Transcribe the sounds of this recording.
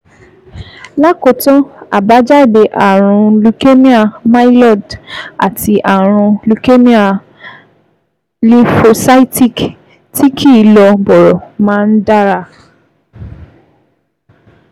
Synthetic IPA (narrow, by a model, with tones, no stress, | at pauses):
la˦ko˧tɔ̃˦a̰˨ba˨˦d͡ʒa˦i˦˨be˨˦ʔa˨ɾ̃ũ˧lu˧ke˦mĩ˦a˨ma˦i˦lɔ˦˨da̰˨ti˧ʔa˨ɾ̃ũ˧lu˧ke˦mĩ˦a˦˨ | li˧fo˧sa˦i˦ti˦˨k | ti˦kʰi˦˨lɔ˧bɔ˨ɾɔ˨mãː˦˧n̩˦da˦ɾa˧˨